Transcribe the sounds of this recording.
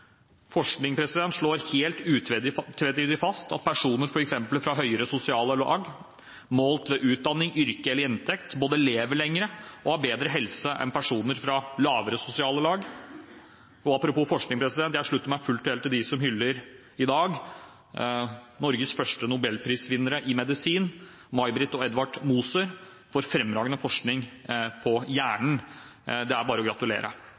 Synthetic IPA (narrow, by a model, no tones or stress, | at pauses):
fɔʂknɪŋpʰɾɛsɪd̪ɛnt̪ʂɭoːɾheːlt̪ʉːt̪t̪ʰʋɛt̪iːd̪ɪfɑst̪ʰɑ̰t̪̚pʰæʂuːnəɾfɔɾɛksɛmpəlfɾɑɦœʏəɾəsʊsɪɑːləlɑɑɡ | moːlt̪ʋɛʔʉːt̪̚d̪ɑnːɪŋʏɾkəɛləɾɛnt̪ʰɛkt̪boːd̪əleːʋəɭɛŋːəɾəʔɔhɑɾbeːd̪ɾəɦɛlsəʔɛ̰npʰæʂuːnəɾfɾɑlɑːʋəɾəsʊsɪɑːləlɑːɡ | ɔɑpɾʊpuːfɔʂknɪŋpʰɾɛsɪd̪ɛnt̪jæhʂɭʉt̪ːəmæɪfʉlt̪ɛlt̪ʰːɪld̪ɪsɔmhʏlːəɾ | ɪd̪ɑːɡ | nɔɾɡəsfœʂʈənʊbɛlːpʰɾiːsʋɪnːəɾəʔɪmɛd̪ɪsiːn | mɑɪbɾɪt̪ɔɛd̪ʋɑʈmuːsəɾ | fɔɾfɾɛmːɾɑːɡənəfɔʂknɪŋpʰɔjæːɳɳ̩d̪ɛæɾbɑːɾəɔɡɾɑt̪ʉlḛːɾʔə̰